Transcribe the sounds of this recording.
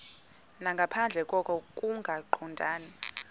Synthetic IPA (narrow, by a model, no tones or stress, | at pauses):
naŋɡʱapʰand͡ɮʱɛkʼɔkʰɔkʼuŋɡʱaǃʰɔndʱaːna